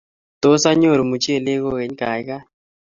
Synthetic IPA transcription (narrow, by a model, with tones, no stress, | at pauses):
t̪o˦sa˦ɲo˦˨ɾo˨mu˨t͡ʃe˦˨le˦ko˦ke˨˦ɲ˦ka˨jka˦